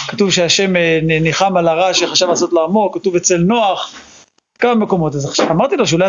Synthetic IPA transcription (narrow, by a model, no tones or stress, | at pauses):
katuvʃeaʃe̞meniχamalaʁaʃeχaʃavlaso̞t̪laːmo̞kːatuvet͡selnoaχ | kamame̞ko̞mo̞t̪azamaʁt̪ilo̞ʃeulaj